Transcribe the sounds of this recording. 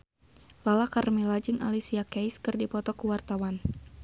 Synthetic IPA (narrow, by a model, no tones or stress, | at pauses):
lalakarmilad͡ʒɨŋʔa̰lisiakajskɨrdipɔt̪ɔkuwart̪awan